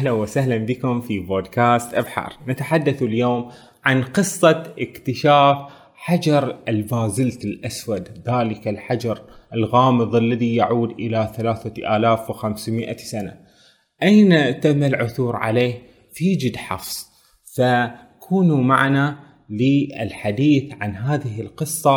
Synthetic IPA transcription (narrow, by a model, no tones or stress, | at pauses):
ʔahlanwɪsahlanbikʊmfiboːd̪kaːst̪ʔabħɑ̰ːɾˤnat̪aħad̪ːaθljoːm | ʕanqɨsˤːɑʔɪkt̪ɪʃaːf | ħad͡ʒɑɾˤɪlbaːzɪlt̪alʔaswad̪ðaːlɪkalħad͡ʒɑɾˤɪlɣɑːmɨðˤɪlːaðijaʕuːd̪ʔɪlaθalaːθaʔaːlaːfwxamsmɪʔasana̰ | ʔajnat̪amːalʕʊθuːɾʕa̰leː | fid͡ʒɪd̪ħɑ̰fsˤ | fa | kʰuːnuma̰ʕna | lɪɪlħad̪iːθʕanɦaːðɪɦɪlqɨsˤːɑ